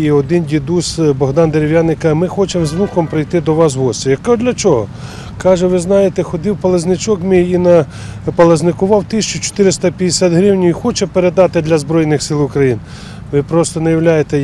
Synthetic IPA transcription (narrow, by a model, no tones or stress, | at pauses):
iɔd̪ɪndʲid̪usbɔɦd̪ɑnd̪eɾʲiwjɑnːɪkɐmɪxɔt͡ʃemzmukɔmpɾɪjt̪ɪd̪ɔʋɑs̬ɦɔsʲijɐkd̪lʲɐt͡ʃɔɦɔ | kɑʒɛʋɪznɑjet̪ɛxɔd̪ɪwpɐlˠɐznɪt͡ʃɔkmɪjinɐ | pɐlˠɐznɪkʊʋɑwt̪ɪsʲt͡ʃʊt͡ʃɔ̥t̪ɪɾɪst̪ɐpʲjɐd̪ʲesʲat̪ɦɾɪwnʲʊixɔt͡ʃɛpeɾed̪ɑt̪ɪd̪lʲɐzbɾɔjnɪxsɪlˠʊkɾɐjin | ʋɪpɾɔst̪ɔnɐjɐwlʲajet̪ɛ